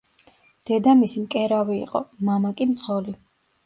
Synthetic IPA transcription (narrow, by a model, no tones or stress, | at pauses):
d̪̥ɛd̪amisimkʼɛɾavḭːqʼɔ̰mamakʼimt̪sʰʼχɔli